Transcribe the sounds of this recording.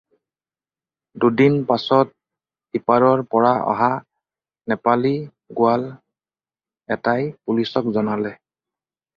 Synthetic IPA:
dudinpasɔt̚ | dipaɹɔɹpɔɹaɔ̰ɦa | nɛpali | ɡʊal | ɛtajpulisɔkzɔnalɛ

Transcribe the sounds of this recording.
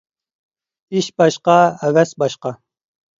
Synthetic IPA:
iʃbɑʃqɑæwæsbɑʃqɑ

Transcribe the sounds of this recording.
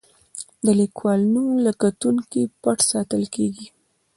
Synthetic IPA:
d̪əlikwɑlnulakat̪uŋkipaʈsɑt̪əlkeɡi

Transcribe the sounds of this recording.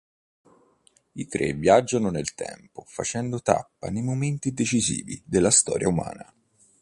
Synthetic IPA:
it̪ɾevjad͡ʒːanonelt̪ɛ̰mpofat͡ʃɛnd̪ot̪a̰pːanejmoment̪id̪et͡ʃizḭːvḭd̪elːast̪ɔːɾjauma̰ːna

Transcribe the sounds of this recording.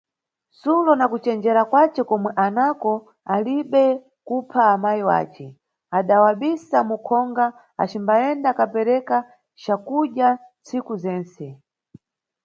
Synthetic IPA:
sulɔnakut͡ʃɛnd͡ʒɛɾakwat͡ʃɛkɔmwɛʔanakɔ | aliɓɛ | kupʰaːmajiwa̰ːt͡ʃɛ | aɗawaɓisamukʰɔŋɡa | a̰t͡ʃimbaɛndakapɛɾɛka | t͡ʃakuʄjant͡sikuzɛːnsɛ

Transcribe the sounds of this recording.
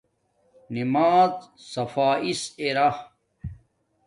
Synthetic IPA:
nimaːzsɐfaːiseɾah

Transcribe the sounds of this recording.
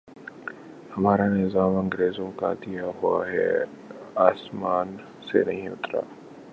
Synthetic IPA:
hɐmaːɾanɪzaːmɐ̃ŋɡɾeːzõka̰d̪ijaɦʊaɦɛ̰ | aːsmaːn | sḛnɐɦĩʊt̪ɾa̰ː

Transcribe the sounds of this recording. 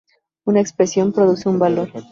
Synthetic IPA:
unaekspɾe̞sjo̞mpɾoðuse̞umbalo̞ɾ

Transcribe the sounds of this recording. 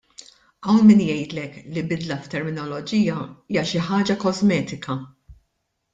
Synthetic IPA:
ʔɐwnmɪːnjɛjt̪lɛklibɪd̪lɐft̪ːɛɾmɪnɔlɔd͡ʒiːjɐiːjɐʃɪħɐːd͡ʒɐkɔzmɛːt̪ɪkɐ

